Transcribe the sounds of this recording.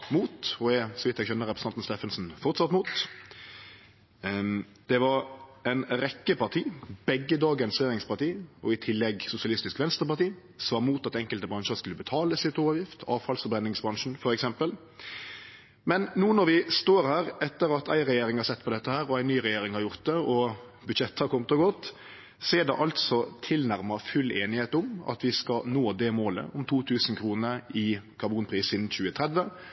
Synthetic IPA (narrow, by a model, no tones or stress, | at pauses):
muːt̪ɔɛsɔʋɪt̪ːɛɡçɛnːəɾɛpɾsɑnt̪n̩st̪eːfənsn̩fɔʁt̪sɑt̪muːt̪ | d̪̥ɛʋɑɾæɪnɾɛkːəpɑʁt̪ʰiːbɛɡːəd̪ɑːɡənsʁɛjeːɾɪŋspɑɾt̪iːɔɪt̪ʰɪlːɛɡsʊsɪɑlɪst̪ɪskʋɛnst̪əpɑʁt̪iː | sʋɑːmuːt̪ɑt̪ɛŋkəlt̪əbɾɑŋʃəɾskʉlːəbət̪ʰɑːləsɪt̪oːʋəɾʁjɪft̪ʰɑ̰ːʋfɑlsfɔɾbɾɛnːɪŋsbɾɑŋʃn̩fɔɾɛksɛmpəl | mɛnnuːənɔɾʋɪst̪oːɾhæːɾɛt̪ːəɾɑt̪æ̰ɪɾɛjeːɾɪŋhɑɾsɛt̪ːpʰɔd̪ɛt̪ːəhæːɾɔæɪnːyːʁɛjeːɾɪŋhɑɾjʊɾt̪̚d̪ɛɔ | bʉd̪ʃɛt̪ːəhɑɾkʰɔmət̪ɔɡɔt̪ː | seːd̪ɛʔɑlt̪sɔt̪ʰɪlnæɾməfʉleːnɪheːt̪ʊmɑ̰t̪ʋɪskɑnoːd̪ɛmoːlə̰ʔʊmt̪ʰuːt̪ʰʉːsən̩kʰɾuːnəɪkʰɑɾbuːnpʰɾiːsɪd̪n̩çʉːət̪ʰʁɛd̪ʋə